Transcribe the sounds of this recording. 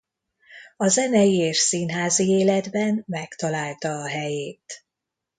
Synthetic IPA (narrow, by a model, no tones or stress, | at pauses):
ɒzɛnɛjieːʃsinɦaːzieːlɛd̪bɛnmɛkt̪ɒlaːlt̪ɒːɦɛjeːt̪